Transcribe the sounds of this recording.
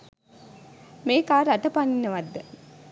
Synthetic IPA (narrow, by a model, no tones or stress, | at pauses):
meːkaːɾɐt̪ɐpaninːəʋad̪ːə